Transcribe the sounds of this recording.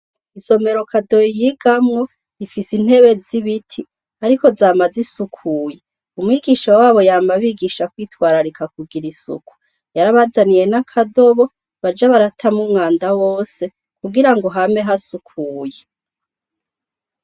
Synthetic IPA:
iso̞me̞ɾo̞kʰado̞ijiɡamŋo̞ | ifisin̥he̞βe̞ziβitʰi | aɾiko̞zaːmazisukʰuːje | umwiːɡiʃawaːβo̞jaːmbaβiːɡiʃakwiːtwaːɾaɾikakuɡiɾisṵku̥ | jaɾaβazanije̞nakʰado̞βo̞ | βad͡ʒaβaɾatʰamumŋaːndawo̞ːse̞ | kuɡiɾaŋɡo̞ɦame̞ɦasukʰuːje

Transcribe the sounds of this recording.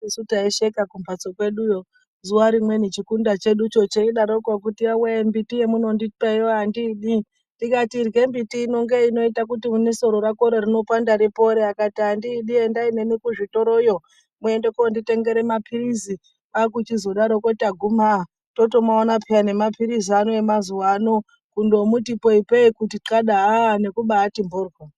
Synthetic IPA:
isutaeʃe̞kakumpat͡sokwe̞ɗujo | zuaɾimwe̞net͡ʃikundat͡ʃe̞ɗut͡ʃo̞t͡ʃeiɗaɾokak̬utiawembitije̞muno̞ndipejoandiɗi | ndikatirɡe̞mbitiːno̞ŋɡe̞ino̞itak̬utimuneso̞ɾoɾako̞ɾerino̞pandaɾipo̞ɾeakatiɦandiːɗiendaine̞nikuʐito̞ɾo̞jo̞ | mue̞ndekondite̞ŋɡe̞ɾe̞mapʰiɾizi | ak̬ut͡ʃizo̞ɗaɾokotaɡʱuma | to̞to̞maonapʰiane̞mapʰiɾizianoemazuwaːno | kundo̞mutipoipeikutiǀaɗaːane̞kuɓaːtimborɡo

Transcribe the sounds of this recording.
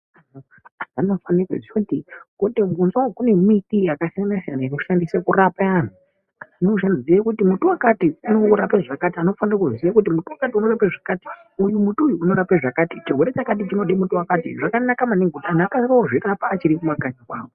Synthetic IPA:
ano | azanofanirḛʐit͡ʃotikoteunzwakune̞mitijakasianaʃanaino̞ʃandisekurapaan̤u | anouʃandizjekutimutuwakatiuno̞ɾapaʐakatiano̞fanirakuzisijakut̬imutuwakatiuno̞rapeʐakati̥ | ujumutuujuːno̞ɾapeʐakaːtit͡ʃiɡʱweɾet͡ʃakat̬it͡ʃino̞ɗimutuwakatḭʐakanakamaneŋɡʱutaːnakasiraoʐirapaːt͡ʃiɾikumakaɲakwaːwo

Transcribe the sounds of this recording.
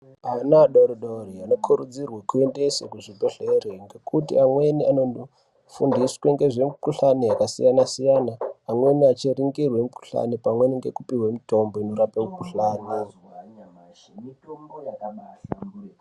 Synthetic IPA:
anaɗoɾoɗoriano̞kʰuɾud͡zirwekue̞nde̞sḛkuʐibʱeɬereŋɡe̞kutḭamwe̞nianon | fundiswe̞ŋɡe̞ʐe̞mikuɬanejakasḭjanasijanaːmwe̞niat͡ʃiriŋɡirwe̞muku̥ɬa̰nipamwe̞niŋɡe̞̰kupiwemito̞mbo̞ino̞ɾapamukuɬaːne

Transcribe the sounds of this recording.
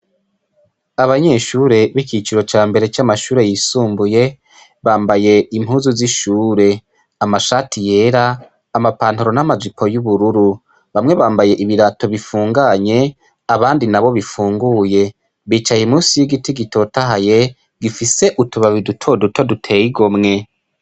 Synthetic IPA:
aβaɲe̞ʃuːɾe̞βikit͡ʃiɾo̞t͡ʃaːmbe̞ɾe̞t͡ʃamaʃuːɾe̞jiːsuːmbuje̞ | βaːmbaje̞imhuːzuziʃuːɾe̞ | amaʃatʰije̞ːɾaː | mapaːnhoɾo̞namazipʰo̞juβuɾuɾu | βamŋe̞βaːmbaje̞ʔiβiɾato̞βifuːŋɡaɲe̞ | aβaːndinaβo̞βifuːŋɡuje̞ | βiːt͡ʃajimuːsijiɡitiɡito̞taɦaje̞ | ɡifise̞ʔutuβaβidutʰo̞dutʰo̞dutʰe̞jiɡomŋe̞

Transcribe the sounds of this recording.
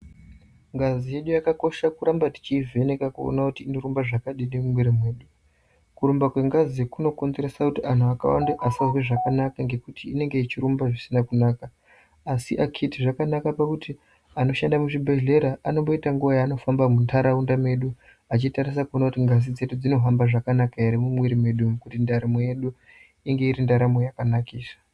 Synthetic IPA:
ŋɡazije̞ɗujakako̞ʃakuɾambati̥t͡ʃiːve̞ne̞kakuo̰nakutiːnoɾumbaʐakaɗinemumwiɾemwe̞ːɗu | kuɾumbakwe̞ŋɡaziekuno̞ko̞nze̞ɾesakutiʔan̤uaka̰wa̰ndeʔasazwe̞ʐakanakaŋɡe̞kutʰiːne̞ŋɡeit͡ʃiɾumbaʐisinakunaːkaː | siʔakʰitiʐakanakapakuti | ano̞ʃandamuʐibʱeɮe̞ɾaʔano̞mbo̞itaŋɡuʋajaːno̞fambamuntʰaɾaundame̞ɗu | at͡ʃitaɾis̬akuonakutiŋɡazid͡ze̞ɗud͡zino̞ɦambaʐakanakaiɾimumwiɾime̞ɗuukutindaɾamoje̞ɗu | iŋɡe̞iɾindaɾamojakanakiːsḁ

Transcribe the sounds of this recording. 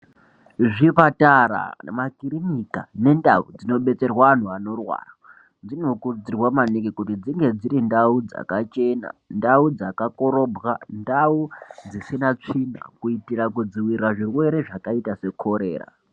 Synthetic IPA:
ʐipataɾa̰makiɾinikane̞ndaṵd͡zino̞ɓe̞t͡se̞rwaan̤uano̞rwa̰ːra | d͡zino̞kud͡zirwamanikikutid͡ziŋɡe̞d͡ziɾindaud͡za̰kat͡ʃe̞na̰ndaud͡zakakoɾo̞bʱɣandaud͡zisinat͡ʂina̰kuitirak̬ud͡ziwiraʐirwe̞ɾe̞ʐakaitase̞kʰo̞ɾe̞̰ːra̰

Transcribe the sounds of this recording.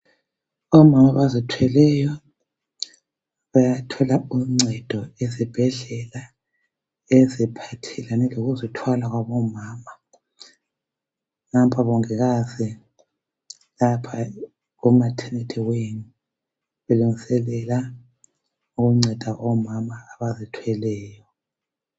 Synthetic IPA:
ɔmamaβazitʰwɛlɛjɔ | βajatʰɔlauŋ͡ǀʱɛd̥ʱɔezib̥ʱɛɮɛla | ezipʰatʰɛlanɛloɣuzitʰwalaɣwaβɔmaːma | ŋampʰʼaβɔŋɛɣazi | lapʰa | umatʰɛnɛtʰʼɛweni | βeluŋisɛlɛla | uɣuŋ͡ǀʱɛd̥ʱaʔɔmamaːβazitʰwɛlɛːjɔ

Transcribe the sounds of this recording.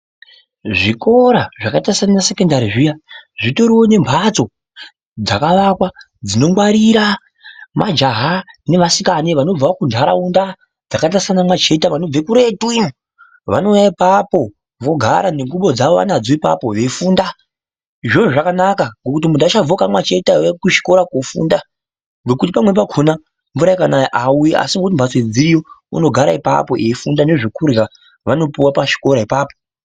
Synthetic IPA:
ʐiko̞ɾaʐakatasananase̞kendaɾiʐijaʐito̞ɾiwo̞ne̞mpʰat͡so̞ | d͡zakaʋakwa | d͡zino̞mwaɾiɾa | mad͡ʒaɦane̞ʋasikaniʋano̞b͡vakundʱaɾa̰unda | d͡zakatasanamwat͡ʃe̞taʋano̞b͡vekuɾe̞tui | ʋa̰no̞ujaipapo̞ | vo̞ɡʱaɾaneŋɡuɓo̞d͡zaʋoʋa̰nad͡zoipa̰po̞ʋefuːnda | ʐoʐoʐakanakaŋɡo̞kut̬imundat͡ʃab͡vokamwat͡ʃe̞taʋekuʃi̥ko̞ɾakofṵnda | ŋɡo̞kut̬ipamwe̞p̬akʰona | ɱvuɾaikanaʔauiʔa̰siŋɡoutimbʱased͡ziɾijo̞ṵno̞ɡʱaɾa̰ipa̰po̞̰ʔefundaneʐekurɣa | ʋano̞piwapaʃi̥ko̞ɾaipaːpo̥

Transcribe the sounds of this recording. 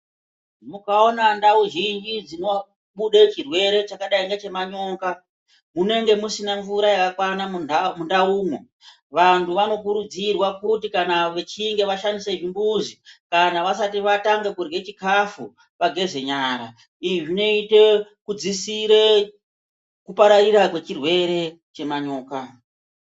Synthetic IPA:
mukao̞nandauʒind͡ʒid͡zino | muɗe̞t͡ʃirwe̞ɾe̞t͡ʃakaɗaiŋɡet͡ʃe̞maɲo̞ːŋka | mune̞ŋɡe̞musinaɱvuɾajakakwanamundauːmo | ʋantʰuʋano̞kuɾud͡zirwakutikanaʋe̞t͡ʃiŋɡe̞ʋaʃandiseʐimbuzikanaʋasatiʋataŋɡekurwe̞t͡ʃikafu | ʋaɡʱe̞ze̞ɲaːɾa | iʐino̞ite̞kud͡zisiɾe | kupaɾariɾakwe̞t͡ʃirwe̞ɾe̞ | t͡ʃe̞maɲo̞ːka

